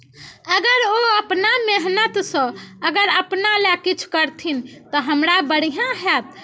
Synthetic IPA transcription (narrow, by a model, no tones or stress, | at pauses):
əɡəɾoəpnameɦnət̪sə̃əɡəɾəpnalekit͡ʃʰu̥kəɾt̪ʰint̪ɔɦəmɾabəɽ̤ijãɦɛt̪̚